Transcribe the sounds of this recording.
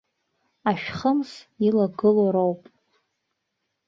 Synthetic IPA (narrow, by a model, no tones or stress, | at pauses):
aʃᶣχəmsilaɡɨloɾowpʼ